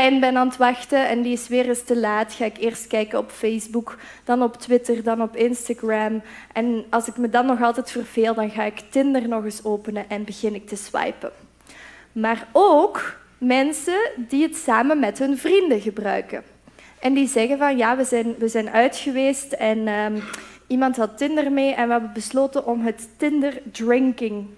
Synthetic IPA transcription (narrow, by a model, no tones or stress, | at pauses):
ɛnbɛnaːntʋɑxtəɛndiɪsʋɪːrɪstəlaːtxaːɪkɪːrst̚kɛjkənɔpfejzbuk | d̥ɑnɔptwɪtərdɑnɔpɪnstaɡramʔɛnɑlˠsɪkmədɑnːɔxɑlˠtɛjtfərveːlˠdɑnɣaːɪktɪndərnɔɣɪsoːpənəʔɛnbəɣɪnɪk̚təzwɑ̰jpə̰ | maːroːk | mɛnsədiɦətsaːmənmɛtɦɵnvrindəɣəbrœ̰ɥkə | ʔɛndizɛɣənvɑnjaːʋəzɛjnʋəzɛjnʔœɥtxəʋeːstɛnəimɑntɦɑtːɪndərmeːʔɛnʋəɦɛbənbəsloːtənʔɔmɦətːɪndərdrɪŋkɪŋ